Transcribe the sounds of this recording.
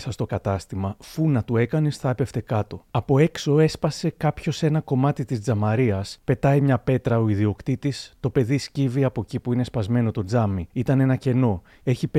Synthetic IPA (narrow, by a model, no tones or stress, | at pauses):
sɐst̪o̞kɐt̪ɐst̪imɐfunɐt̪ue̞kɐnisθɐepe̞ft̪e̞kɐt̪o̞ɐpo̞e̞kso̞e̞spɐse̞kɐpço̞se̞nɐko̞mɐt̪it̪izd͡zɐmɐɾiɐspe̞t̪ɐjmɲɐpe̞t̪ɾɐoiðio̞kt̪it̪ist̪o̞pe̞ðisciviɐpo̞cipuine̞spɐzme̞no̞t̪o̞d͡zɐmiit̪ɐne̞nɐce̞no̞ | e̞çip